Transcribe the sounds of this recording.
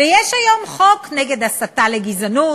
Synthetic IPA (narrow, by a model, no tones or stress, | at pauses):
ejɛʃajo̞mχo̞kneɡedasataleɡizanu